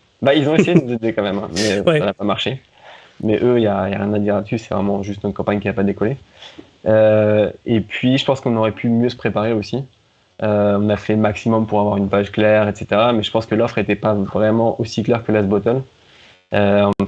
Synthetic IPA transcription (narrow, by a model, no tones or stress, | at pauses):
bailzɔ̃esejenozed̪ekɑ̃mɛmɛ̰̃mɛsanapamaʁʃe | mɛʔøijaija̰ʁjɛ̃nad̪iʁlat̪sysɛ̥vʁɛmɑ̃ʒyst̪nɔt̪̚kɑ̃paɲkʲiapad̪ekɔle | ø | epʰɥiʒəpɑ̃skɔ̃nɔʁɛpʰymjøsə̥pχepaʁeosi | øɔ̃nafɛmaksimɔmpuʁavwaʁynpaʒklɛʁet̪se̥t̪eʁamɛʒə̥pɑ̃skəlɔfχet̪ɛpavʁɛmɑ̃ʔosiklɛʁkəlasbɔt̪ɔn | ø̃